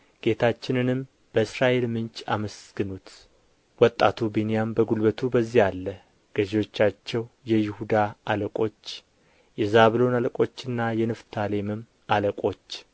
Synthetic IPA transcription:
ɡ̥e̞t̪ʰat͡ʃːɪnɨnɨm | b̥əɨsɾaʔe̞lmɨnt͡ʃʼaməsɡ̥ɨnut̪ | wɔt̪ʼːat̪ʰubenijambəɡulbət̪ʰubəzːihalːə | ɡ̥əʒewo̞t͡ʃːat͡ʃːɛwjɛjɪhud̪aːləkʼo̞t͡ʃː | jɛzaβlo̞naləkʼo̞t͡ʃːɨnːajɛnɨft̪ʰale̞mɨm | aləkʼo̞t͡ʃː

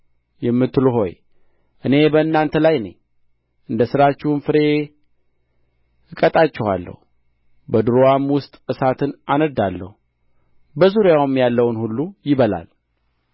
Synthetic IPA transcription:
jɛmːɨt̪ːɨluɦo̞̰j | ʔɨne̞bəɨnːant̪ʰəlajnḛ | ʔɨnd̪əsɨɾat͡ʃːɛhnfɨɾe̞ | ɨkʼət̪ʼat͡ʃːɛha̰lːə̰hu | bəd̪ɨɾoamwʊst̪ʼɨsat̪ʰɨnanəd̪ːalːə̰hu | bəzuɾjawmjalːəwnhulːujɪβəla̰l

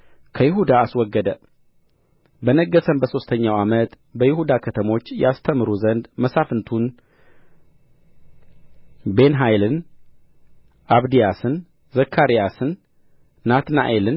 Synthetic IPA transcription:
kʰəjɪɦud̪aːswɔɡːəd̪ə | bənəɡːəsəmbəso̞st̪ʰəɲːawamət̪ | bəjɪhud̪akʰət̪ʰəmo̞t͡ʃːjast̪ʰəmɨɾuzənd̪məsafɨnt̪ʰun | be̞nɦajlɨn | ʔaβd̪ijasɨn | zəkʰːaɾijasɨnː | at̪na̰ʔelɨn

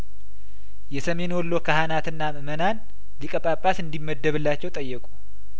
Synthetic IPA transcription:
jɛsəme̞nwɔlːo̞kʰahanat̪ɨnːamɨmənan | likʼəpʼapʼːasɨnd̪imːəd̪ːəβɨlːat͡ʃːɛwt̪ʼəjːəkʼu

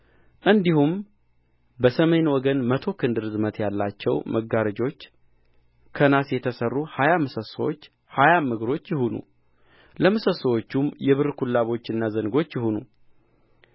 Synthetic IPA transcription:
ʔɨnd̪ihum | bəsəme̞nwɔɡənmət̪ʰo̞kʰɨnd̪ɨɾzɨmət̪jalːat͡ʃːɛwməɡaɾəd͡ʒo̞t͡ʃː | kʰənasjɛt̪ʰəsərːuhajamɨsəsəwot͡ʃː | hajamɨɡɾo̞t͡ʃːjɪɦunṵ | ləmɨsəsəwo̞t͡ʃːumjɛβɨɾkʰulːaβo̞t͡ʃːɨnːazəŋɡo̞t͡ʃːjɪhunṵ

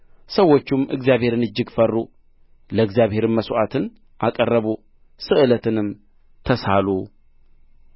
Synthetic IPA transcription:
səwːot͡ʃːumɨɡzijaβhe̞ɾɨnɨd͡ʒːɪɡfərːu | ləɨɡzjaβhe̞ɾɨmːəsʔat̪ʰɨn | ʔakʼərːəβu | sɨʔɨlət̪ʰɨnɨm | t̪ʰəsalu

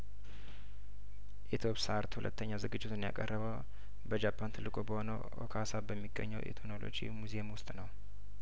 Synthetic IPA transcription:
ʔet̪ʰopsaɾt̪hulʔə̰t̪ʰːəɲːazɨɡɨd͡ʒːɪt̪ʰunja̰kʼərːəβəw | bəd͡ʒapʰːant̪ʰɨlːɨkʼobəho̞nəwʔo̰kʰasabəmːiɡːə̰ɲːəwʔḛt̪ʰonolo̰d͡ʒḭmuzeemwʊst̪ʼnəw

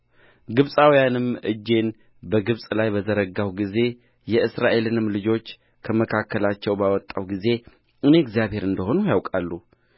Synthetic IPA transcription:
ɡɨβsʼawjanɨmʔɨ̰d͡ʒːe̞n | bəɡɨβsʼlajbəzəɾəɡawɡize̞ | jɛɨsɾaʔe̞lɨnɨmlɨd͡ʒo̞t͡ʃː | kʰəməkʰakːəlat͡ʃːɛwbawɔt̪ʼːawɡize̞ | ɨne̞ɡzijaβhe̞ɾɨnd̪əho̞nujawkʼalːu

